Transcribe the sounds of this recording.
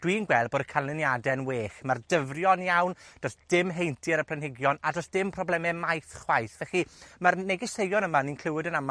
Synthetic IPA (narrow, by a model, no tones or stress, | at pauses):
d̥wiːnɡwɛlˠboːdəkʰanlɪnjadɛnweːχmardəvrjɔnjawnd̥ɔsd̥ɪmɦejntʰɨɾəpʰl̥ˠənhɪɡjɔnadɔsd̥ɪmpʰrɔblˠɛmɛmajθχwajθvɛχimarnɛɡɪsejɔnəmaninkʰlɪwɨdənama